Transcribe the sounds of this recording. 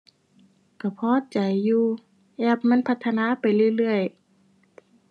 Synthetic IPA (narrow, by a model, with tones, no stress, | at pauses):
ka˧˩pʰɔː˧˥˨t͡ɕa˨˩jːuː˧ | ʔɛː˧˩p̚ma˧˥˨npʰa˧t̪ʰːa˧naː˧˥˨pa˨jlɯ˧˨jlɯ˧˩əj